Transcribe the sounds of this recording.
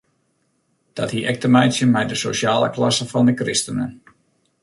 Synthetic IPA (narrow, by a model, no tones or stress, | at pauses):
d̥ɔthiʔɛk̚təmɛjsjənmɛjdəso̰sjaːlˠə̰klɑsəfɑndəkrɪstənə̰n